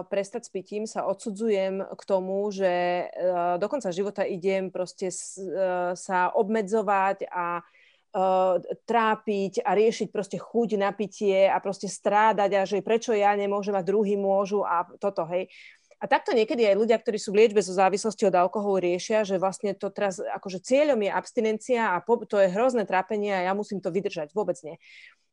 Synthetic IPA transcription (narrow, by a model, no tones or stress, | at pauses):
pɾɛst̪acspiciːmsaʔɔt̪sud͡zujɛmkt̪ɔmuʒɛ | d̪ɔkɔnt͡saʒiʋɔt̪aiɟɛmpɾɔscɛs | saʔɔbmɛd͡zɔʋaca | t̪ɾaːpicaɾɪɛʃic̚pɾɔscɛxuɟnapicɪɛapɾɔscɛst̪ɾaːd̪aɟaʒɛpɾɛt͡ʃɔjaɲɛmʊɔʒɛmad̪ɾuɦiːmʊɔʒuʔat̪ɔt̪ɔɦɛj | at̪ak̚t̪ɔɲɪɛkɛd̪iajluɟɪak̚t̪ɔɾiːsuːʋlɪɛd͡ʒbɛzɔzaːʋislɔsciɔd̪alkɔɦɔlɾɪɛʃɪaʒɛʋlasɲɛt̪ɔt̪ɛɾasa̰kɔʒɛt͡sɪɛʎɔmjɛʔapst̪inɛnt͡siaːpɔt̪ɔjɛɦɾɔznɛːt̪ɾaːpɛɲɪɛajamusiːmt̪ɔʋid̪r̩ʒaɟʋʊɔbɛd͡zɲɛ